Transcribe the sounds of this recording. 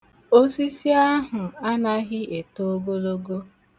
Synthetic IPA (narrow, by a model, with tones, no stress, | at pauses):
o˦si˦si˦a˦ɦʊ˨a˦na˦ɣɪ˦e˨to˦o˦ɡo˦lo˦ɡo˦